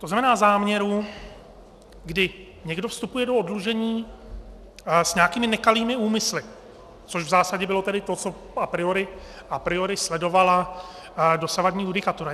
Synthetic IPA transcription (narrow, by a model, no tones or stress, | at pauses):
t̪oznamɛnaːzaːmɲɛɾu | ɡdɪ | ɲɛɡdofst̪upujɛdoodluʒɛɲiː | sɲɛakiːmɪnɛkaliːmɪuːmɪslɪ | t͡soʃvzaːsaɟɛbɪlo̞t̪ɛdɪt̪o̞t͡so̞ | apɾɪoɾɪ | ʔapɾɪoɾɪslɛdo̞vala | do̞savadɲiːjudɪkat̪uɾa